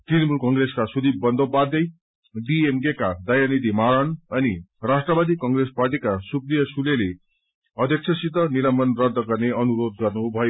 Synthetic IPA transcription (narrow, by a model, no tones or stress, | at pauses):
ʈrinmulkʌŋɡreskasud̪ibbʌnd̪obad̪ʌj | ɖiemɡekad̪ʌjʌnid̪ʱimaɾʌɳʌnirasʈrʌbad̪ikʌŋɡresparʈikasukɾijʌsulele | ʌd̪ʱjʌksʰʌsit̪ːʌniɾʌmʌnrʌd̪ʱːʌɡʌrneʌnuɾod̪̚ɡʌrnubʱʌjo